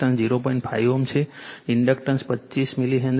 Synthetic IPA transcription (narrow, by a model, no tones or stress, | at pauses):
ənsd͡ʒiɾopoĩɳʈfʰajomt͡ʃʰeiɳɖəkʈənspətːʃismiliɦɛ̃nd̪